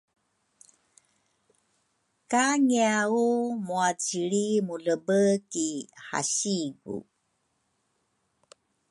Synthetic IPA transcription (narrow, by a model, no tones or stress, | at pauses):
kaŋiaumuat͡siɾimuɮəbəkiha̰ɕiɡṵ